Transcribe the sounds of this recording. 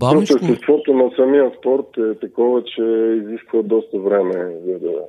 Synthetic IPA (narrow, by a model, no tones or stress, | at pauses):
ɔt̪osɛsk̪vɔt̪ʊnɐsɐmiəspɔɾt̪ɛt̪ɐkɔvɐt͡ʃɛiziskvəd̪ɔst̪əvɾɛmɛzɐd̪ɐ̰